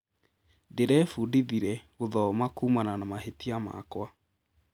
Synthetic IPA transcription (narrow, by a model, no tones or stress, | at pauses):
deɾɛfudiðiɾɛɣoðɔmakuːmananamahetiama̰kwa